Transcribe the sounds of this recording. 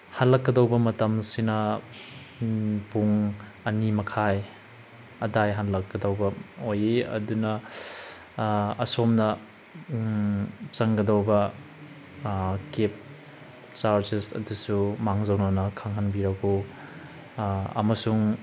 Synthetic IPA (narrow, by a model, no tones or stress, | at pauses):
hanlɐkːɐdɐwbɐmɐtɐmsinɐ | puŋ | ɐnimɐkʰaj | ɐdajɦanlɐkːɐdawbɐojeɐ̰dunɐ | somnɐ | t͡ʃɐŋɡɐdawbɐ | kep̚ | t͡ʃaɾd͡ʒisɐ̰dusumaŋzɐwnanɐkʰaŋɦanbiɾɐɡu | ɐ̰mɐsuŋ